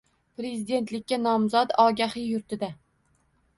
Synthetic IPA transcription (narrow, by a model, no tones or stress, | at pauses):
pɾe̞zɪd̪e̞nt̪lɪkʲːanɒmzɒt̪ɒɡʲahɪjʊɾt̪ʰɪd̪a